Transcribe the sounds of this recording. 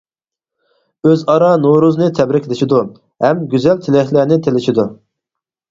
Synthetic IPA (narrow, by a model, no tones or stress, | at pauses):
øzɑɾɑnoɾuznɨt̪ʰɛbɾɪkʲlɪʃid̪u | hɛmɡʲyzɛlt̪ʰɪlɪhlæɾnɪt̪ʰelɪʃid̪u